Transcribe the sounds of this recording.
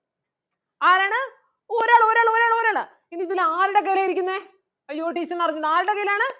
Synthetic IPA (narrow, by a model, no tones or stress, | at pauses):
aːɾaːɳɨ | oɾaːɭo̞ːɾaːɭoːɾaːɭo̞ːɾaːɭɨ | iniðilaːɾuɽek̬ɐjlaːjiɾikʲːunːɐe | joːʈːiːsɐnːɐrɐɲːuɳːaːɾuɽekɐjljaːɳɨ